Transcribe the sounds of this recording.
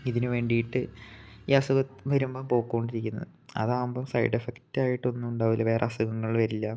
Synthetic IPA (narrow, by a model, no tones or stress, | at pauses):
iðinɨʋe̞ːɳɖijiʈːɨiːɐsuɣɐt̪ʋɐɾumbɐmpo̞ːkːɣoɳɖiɾikʲːunːɐ̰ðɨɐ̰ðaːmbɐmsɐ̰jɖefektːaːjiʈːɨo̞nːuuɳɖaːʋilːɐʋe̞ːrḛɐsuɣɐŋːɐɭʋɐɾilːɐ